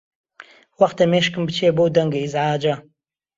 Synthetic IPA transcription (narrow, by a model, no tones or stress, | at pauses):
wɐχtʰɐmeːʃkɨmbɨt͡ʃʰeːbowdɐŋɡɐizʕaːd͡ʒɐ